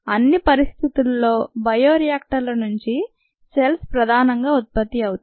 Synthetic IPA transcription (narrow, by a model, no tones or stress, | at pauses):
ɐnːipɐɾist̪ʰit̪ulːo̞ːbɐjoːɾijaːk̚ʈɐɾlɐnuɲt͡ʃi | selspɾɐd̪ʱaːnɐŋɡaːut̪̚pɐt̪ːiɐwut̪